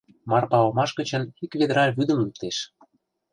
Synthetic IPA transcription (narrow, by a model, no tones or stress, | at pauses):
mɑrpɑlɤmɑʃɣə̆t͡ɕə̆nikβed̪əɾɑβyd̪ə̆mlup̚t̪eʃ